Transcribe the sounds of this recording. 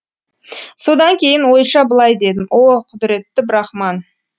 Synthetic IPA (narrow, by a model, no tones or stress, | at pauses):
so̞d̪ɑŋkʲʰe̞jɪnwo̞jʃɑbəlˠɑjd̪e̞d̪ɪmʔoqʰʊd̪ɪɾe̞t̪ːɪbɪɾɑχmɑn